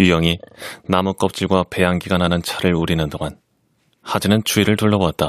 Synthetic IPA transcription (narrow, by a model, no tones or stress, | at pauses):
jujʌŋinamuk͈ʌp̚t͡ɕ͈iɭɡwape̞jaŋɡiɡanɦanɯnt͡ɕʰaɾɯɭuɾinɯndoŋan | had͡ʑinɯnt͡ɕuiɾɯɭtuɭːʌboat̚t͈a